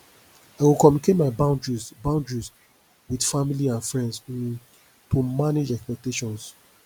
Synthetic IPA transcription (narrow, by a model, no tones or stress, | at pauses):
aɪwilkɔmjuniket̚maɪbãʊ̃ndɹizbãʊ̃ndɹis | widfamiliãnfɹɛ̃nds | tomaned͡ʒɛkspɛk̚teʃɔ̃ns